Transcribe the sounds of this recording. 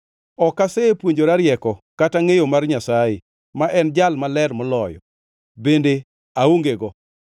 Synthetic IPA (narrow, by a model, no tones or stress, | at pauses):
ɔkasepwoɲd͡ʒoɾaɾjɛkɔkataŋejomarɲasaje | maʔɛnd͡ʒalmalɛrmɔlɔjɔ̰ | bende | aoŋɡeɡɔ